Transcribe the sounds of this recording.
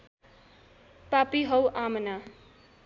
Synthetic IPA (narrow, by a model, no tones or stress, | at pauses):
papiɦʌwʔamna